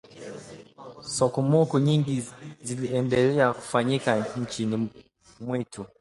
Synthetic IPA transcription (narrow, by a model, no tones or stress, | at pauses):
sɔkɔmɔkɔɲiŋɡiziliɛndɛlɛaku̥faɲikaɲ̩t͡ʃini | mwɛtʰu